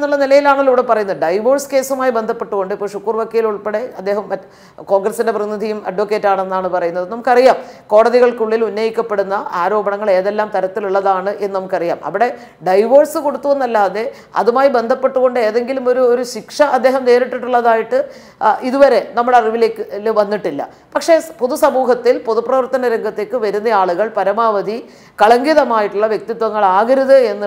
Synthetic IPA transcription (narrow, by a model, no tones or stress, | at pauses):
nːuɭːɐnilɐjilaːɳiluːɽepɐrɐjunːɐðɨɖɐjʋo̞ːrske̞ːsumaːjibe̞nd̪ʱɐpːeʈːuɣo̞ɳɖɨipːoːɭʂukːuːrʋaːkːɐjiluɭpeɽe̞ɐd̪ːe̞ːɦɐmɐ | ko̞ːŋɡrɐsinde̞prɐnid̪ʱijumɐ̰ɖʋokːeːtːaːɳenːaːɳɨpɐrɐjunːɐðɨnɐmukːɐrijaːmko̞ːɽɐðiɣɐɭkuɭːilunːɐjikʲːɐpːeɽunːɐaːɾo̞ːbɐɳɐŋːɐɭe̞ːðelːaːmt̪ɐɾɐt̪ːiluɭːɐðaːɳɨʔe̞nːɨnɐmukːɐrija̰ːmɐ̰ʋiɽe̞ | ɖɐjʋo̞ːrsɨko̞ɽut̪ːuʋenːɐlːaːðe̞ | ɐ̰ðumaːjibe̞nd̪ʱɐpːe̞ʈːuɣo̞ɳɖɨe̞ːðe̞ŋɡilumo̞ɾuoɾuɕikʂɐɐd̪ːeːɦɐmne̞ːɾiʈːiʈːuɭːɐðaːjiʈːɨ | iðuʋɐɾe̞nɐmːuɽeɐriʋile̞ːkːɨlʋɐnːiʈːilːɐ̰ | pɐkʂe̞puðusɐmuːɦɐt̪ːilpoðuprɐʋɐrt̪ɐnɐɾeŋɡɐt̪ːe̞ːkːɨʋɐɾunːɐaːɭuɣɐɭpɐɾɐmaːʋɐd̪ʱi | kɐɭɐŋɡiðɐmaːjiʈːuɭːɐʋjek̚t̪it̪ːʋɐŋːɐɭaːɣɐɾɐðɨe̞nːɨ